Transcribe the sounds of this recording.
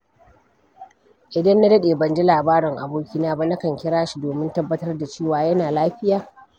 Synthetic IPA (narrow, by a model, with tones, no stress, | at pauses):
ʔɪ˨dɐ˦nːa˦dɐ˦ɗeː˨bɐ˨nd͡ʒi˦laː˨baː˦ɾɪ˨ŋʔa˨boː˦kʲi˦naː˦ba˦na˦kɐ˨ŋkʲɪ˦ɽaː˦ʃi˦doː˨mɪ˦ntɐ˦bːɐ˦tɐ˦rda˨t͡ʃeː˦˨waː˨jɐ˦naː˨laː˦ɸɪ˦jaː˨